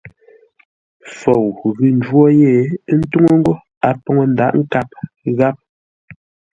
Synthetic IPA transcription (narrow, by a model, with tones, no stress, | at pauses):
fo˨wɣʉ˨n˨d͡ʒwɔ˦je˦˨˦n̩˦tu˦ŋo˦ŋ˦ɡo˦ | a˨pɔ˨ŋo˨n̩˦da˨ʔŋ̩˦ka˦˨p̚ | ɣa˦p̚